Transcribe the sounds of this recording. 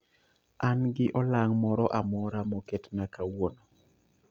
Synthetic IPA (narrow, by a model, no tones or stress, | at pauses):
anɡɪʔɔlaŋmɔɾɔʔamɔɾamɔketnakawono